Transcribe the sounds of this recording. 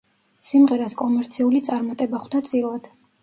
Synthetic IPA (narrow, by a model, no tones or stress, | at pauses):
simʁɛɾaskʼɔmɛɾt̪sʰiulit̪sʼaɾmat̪ʼɛbaχwd̪at̪sʼilˠad̪̥